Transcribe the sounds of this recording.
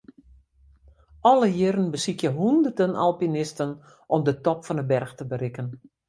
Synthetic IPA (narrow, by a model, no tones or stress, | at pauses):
ʔɔləjɪɾənbəsikjəɦundərdəna̰lˠpinɪstən | ʔɔmdətɔpfɔnəbɛrxtəbərɪkən